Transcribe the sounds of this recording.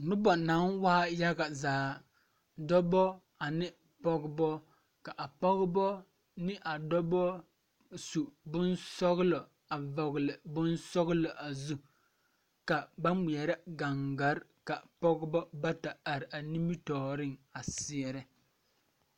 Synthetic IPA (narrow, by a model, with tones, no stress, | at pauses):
nʊ˦bɔ˨na˨˦nwaː˦ja˦ɡa˨zaː˨˦ | dɔ˦bɔ˦ | a˨nɪ˦ | pɔ˦ɡɪ˦bɔ˦ | ka˨ʔa˨pɔ˦ɣbɔ˦ | nɪ˦ʔa˨dɔ˦bɔ˦ | su˨bʊ˦nsɔ˦ɣʊ˦lɔ˨ | a˨vɔ˨ɣɪ˨lɪ˨bʊ˦nsɔ˦ɣlɔ˨ʔa˨zu˦ | ka˨ba˦mʊ˨ɛ˨ɾɛ˦ɡa˨ŋɡa˨˦ɾka˨pɔ˦ɡɪ˦bɔ˦ba˦ta˨a˨ɾɪ˨ʔa˨ni˦mi˦tɔː˨ɾɪ˦ŋa˨sɪ˦ɛ˨ɾɪ˦